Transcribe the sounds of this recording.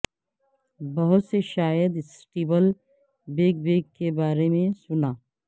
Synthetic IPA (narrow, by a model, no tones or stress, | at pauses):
bɐɦʊt̪seʃaːjəd̪sʈiːbəl | beːɡ̚beːɡkebaːɾemẽsʊnaː